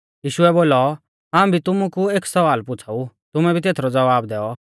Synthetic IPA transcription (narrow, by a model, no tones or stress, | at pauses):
jiːʃʊɛboːlɔ | ɦãːũbʱit̪ʊmukueːksɐʋaːlpʊt͡sʰaut̪ʊmɛ̃bʱit̪eːt̪ʰɾɔd͡zɐʋaːbd̪ɛːɔ